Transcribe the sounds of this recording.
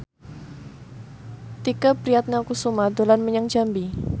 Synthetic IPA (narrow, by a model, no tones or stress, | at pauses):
t̪ikəpɾiat̪̚nakusumad̪olanməɲaŋd͡ʒambi